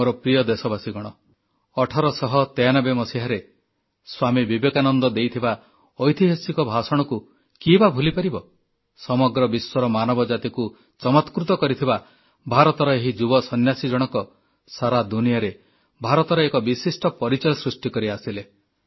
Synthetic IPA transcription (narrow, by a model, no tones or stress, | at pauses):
oɾɔpɾijɔd̪esɔbasiɡɔɽ̃ɔ | ɔʈʰɔɾɔsɔɦɔt̪ejanɔbemɔsiɦaɾe | swamibibekanɔnd̪ɔd̪ejt̪ʰiba | ɔjt̪iɦɔsikɔbʱasɔɽ̃ɔku | kibabʱulipaɾibɔ | sɔmɔɡɾɔbiswɔɾɔmanɔbɔd͡ʒat̪iku | t͡ʃɔmɔt̪kɾut̪ɔkɔɾit̪ʰiba | bʱaɾɔt̪ɔɾɔeɦid͡ʒubɔsɔnjasid͡ʒɔɽ̃ɔkɔ | saɾad̪unijaɾe | bʱaɾɔt̪ɔɾɔekɔbisisʈɔpɔɾit͡ʃɔjɔsɾusʈikɔɾiasile